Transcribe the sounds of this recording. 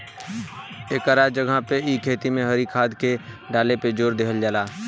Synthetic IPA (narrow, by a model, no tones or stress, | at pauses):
ekaɾad͡ʒəɡʱapeiːkʰeːt̪imẽɦəɾikʰaːd̪ke | ɖaːleped͡ʒoːɾd̪ekʰəld͡ʒaːlaː